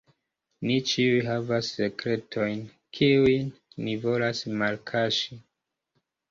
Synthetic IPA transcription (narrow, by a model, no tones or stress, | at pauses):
nit͡ʃiujɦavasːe̞kɾe̞tʰo̞jn | kʰiujnːivo̞lasmalkʰaʃi